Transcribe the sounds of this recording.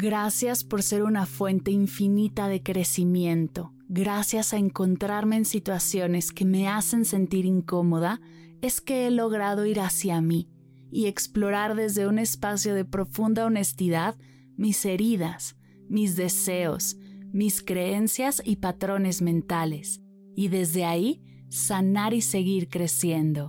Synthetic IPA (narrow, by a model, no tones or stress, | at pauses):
ɡɾasjaspo̞ɾse̞ɾunafwe̞nt̪e̞iɱfinit̪aðe̞kɾe̞simjẽ̞nt̪o̞ | ɣɾasjasaeŋko̞nt̪ɾaɾme̞ːnsit̪wasjo̞ne̞ske̞me̞ase̞nse̞nt̪iɾiŋko̞mo̞ð̞a | e̞ske̞elo̞ɣ̞ɾað̞o̞iɾasjamiː | e̞ksplo̞ɾaɾðe̞zðe̞une̞spasjo̞ðe̞pɾo̞fund̪ao̞ne̞st̪iðað | mise̞ɾiðas | mizðe̞se̞o̞̰smiskɾe̞e̞nsjasipat̪ɾo̞ne̞zmẽ̞nt̪ale̞s | iðe̞zðe̞ai | sanaɾise̞ɣiɾkɾe̞sje̞nd̪o̞